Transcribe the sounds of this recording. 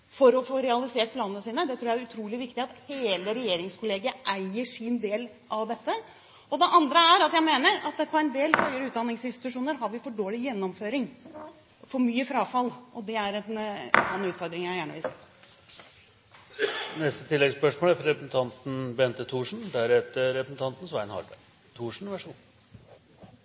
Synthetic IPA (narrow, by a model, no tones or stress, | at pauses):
fɔɾɔfoːɾɛɑlɪseːʈ̚pʰlɑːnənəsiːnəd̪ɛt̪ʰɾuːjææɾʉt̪ʰɾuːlɪʋɪkt̪ɪɑt̪heːləɾɛjeːɾɪŋskʰʊleːɡəəʔæɪəʂɪnd̪eːl | ʔɑʋd̪ɛt̪ːə | ʔɔd̪ɛʔɑnd̪ɾəæɾɑt̪jæɪmeːnəɾɑt̪pʰɔɛnd̪eːlhœʏəɾəʉːt̪d̪ɑnːɪŋsɪnst̪ɪ̥t̪ʉʂuːnəɾɦɑɾʋɪfɔɖoːlɪjɛnːɔmføːɾɪŋ | fɔɾmyːəfɾɑːfɑlʔɔd̪ɛæɾɛnɑnʉːt̪fɔɾd̪ɾɪŋjæɪjæːɳəʋɪlsḛː | nɛst̪ət̪ʰɪlːɛɡspœʂmoːlæɾfɾɔɾɛpɾəsn̩t̪ʰɑnt̪n̩bɛnt̪ət̪ʰuːʂɳ̩d̪æɾɛt̪əɾɛpɾəsn̩t̪ʰɑnt̪n̩sʋæɪnhɑ̰bə̰ | t̪ʰuːʂɳ̩ʋæʂṵːn